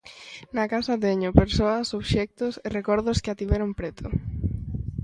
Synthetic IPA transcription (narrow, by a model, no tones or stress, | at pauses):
nakasɐt̪eɲʊpeɾsoɐsoβʃɛk̚t̪ʊserekɔɾðʊskɪat̪iβɛɾompɾet̪ʰʊ